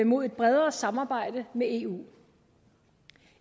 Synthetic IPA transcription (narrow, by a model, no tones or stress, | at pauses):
imo̝ð̰ˠe̝d̥̚b̥ʁɛð̞ˠɐːsɑ̈mɑ̈ːb̥ɑ̈ɪ̰d̥əmee̝̰ːṵː